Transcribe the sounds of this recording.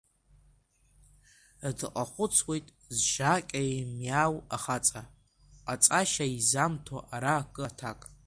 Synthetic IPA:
dɨqʼaχʷʊt͡sʰwe̞jtʼ | zʒakʲʼamjawaχat͡sʼa | at͡sʼaʃaizamtʰaʔaɾakʼɨtʰakʼ

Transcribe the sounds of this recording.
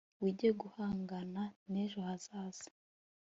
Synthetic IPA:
wiɟeɡuhaːŋɡananeʒohaz̥aːz̥i̥

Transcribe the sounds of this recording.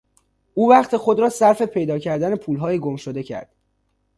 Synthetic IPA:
uːvæχt̪ʰexo̞d̪ɾɒːsæɾfe̞pʰe̞jd̪ɒːcʰæɾd̪ænepʰuːlɦɒːjeɡomʃod̪e̞cʰæ̰ɾd̪̥

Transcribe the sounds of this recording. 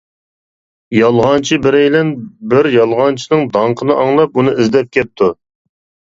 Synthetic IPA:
jɑlˠʁɑnt͡ʃʰibɪɾejlɛnbɪɾjɑlˠʁɑnt͡ʃʰinɨŋd̪ɑɴqʰənɨʔɑŋlˠɑp̚unɨizd̪ɛp̚kʲɛp̚t̪ʰu

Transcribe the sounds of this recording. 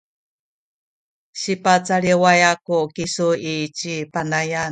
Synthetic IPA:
ɕipat͡saɭiwajakukisuit͡ɕipanajan

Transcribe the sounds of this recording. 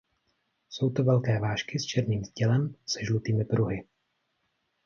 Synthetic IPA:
so̞wt̪ovɛlkɛːvaːʃkɪst͡ʃɛɾniːmzɟɛlɛmsɛʒlut̪iːmɪpɾʔuɦɪ

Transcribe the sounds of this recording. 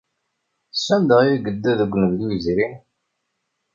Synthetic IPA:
sːænd̪əʁiɡəd̪ːæðəɡʷnəðlujəzɾin

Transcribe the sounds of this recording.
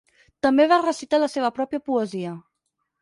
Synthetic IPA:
t̪əmbeβarəsit̪aləseβəpɾɔpjəpuəziə

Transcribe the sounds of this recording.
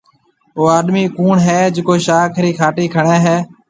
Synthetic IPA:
oːaːɗmiːkuːɳɦɛːd͡ʒɪkoːʃaːkʰɾiːkʰaːʈiːkʰəɳẽːɦɛː

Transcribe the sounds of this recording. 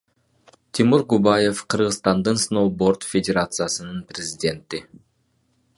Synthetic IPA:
t̪ʲʰimuɾɡubaje̞fqʰɯɾʁɯzt̪ɑnd̪ɯnsnowbo̞rt̪fʲedʲeɾat̪sɨjasɯnɯnprʲɪzʲɪdʲe̞nt̪i

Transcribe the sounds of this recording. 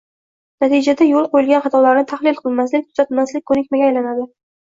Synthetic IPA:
nat̪ʰid͡ʒad̪ajolˠqʰojɪlɡʲanχɑt̪ʰɒlaɾnɪt̪ʰaχlɪlˠqʰɨlˠmaslɪk̚ʲt̪ʊ̥z̥at̪lmaslɪkʲkʰːɵnɪkʲmaɡʲaːjlanad̪ɪ

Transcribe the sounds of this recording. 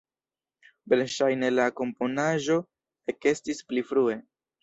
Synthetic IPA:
belʃajne̞lako̞mpo̞naʒo̞ | e̞ke̞stisplifɾue̞

